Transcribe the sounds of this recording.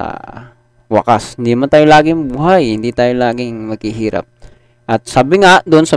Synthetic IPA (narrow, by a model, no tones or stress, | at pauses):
ɐ̰ | wɐ̰ka̰shɪnd̪imant̪aːjolaːɡɪŋbuːɦajhɪnd̪iːt̪aːjolaːɡɪŋmɐɡhɪɦiːɾa̰p̚ | ʔɐt̪̚saːbɪŋad̪ʊʔnsɐ